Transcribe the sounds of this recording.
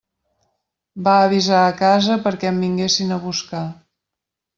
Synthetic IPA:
baəβizaəkazəpəɾkɛəmbiŋɡesinəβuska

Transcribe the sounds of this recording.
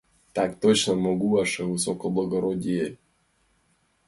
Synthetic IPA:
t̪akt̪ot͡ɕnɐmɔɡuɐʂɛvɨsokɔblˠɐɡɔɾodʲije

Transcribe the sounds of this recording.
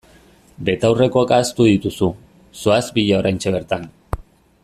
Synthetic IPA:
be̞t̪awrekoakaːst̪uðit̪usu | soazbiʎao̞ɾajnt͡ʃe̞β̞e̞ɾt̪an

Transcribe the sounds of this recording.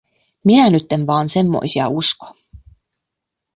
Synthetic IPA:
minænyt̪ːenʋɑːnse̞mːo̰jsiɑ̰usko̥

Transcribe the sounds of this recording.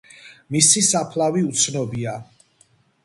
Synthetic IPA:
misisapʰlaviut̪sʰnɔbia

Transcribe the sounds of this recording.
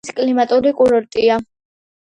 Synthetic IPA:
skʼlimat̪ʼuɾikʼuɾɔɾt̪ʼia

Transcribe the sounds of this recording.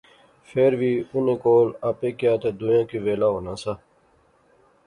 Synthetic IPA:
feːɾʋiːʊnẽːkoːlaːpeːkjaːt̪ed̪ujãːkiʋeːlaːɦoːnãːsaː

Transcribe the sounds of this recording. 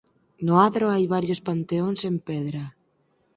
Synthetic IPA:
nʊaðɾoajβaɾjospant̪eoŋsempeðɾa

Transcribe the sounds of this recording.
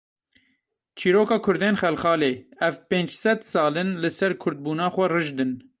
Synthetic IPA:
t͡ʃʰiːɾoːkɑːkʰʊɾd̪eːnxɛlxɑːleːɛvpeːnd͡ʒsɛd̪sɑːlɨnlɨsɛɾkʰʊɾd̪̚buːnɑːxʷɛrɨʒd̪ɨn

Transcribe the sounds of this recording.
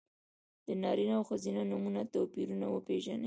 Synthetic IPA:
d̪̥ənɑɾinawxazinanumunat̪opiɾunawəpeʒa̰ne

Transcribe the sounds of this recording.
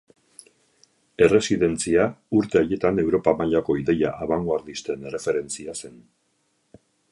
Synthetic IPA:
e̞re̞siðe̞nt͡siauɾt̪e̞aje̞t̪ane̞wɾo̞pamaʎako̞iðe̞jaʔːβaŋɡoaɾðist̪e̞ne̞re̞fe̞ɾe̞nt͡siase̞n

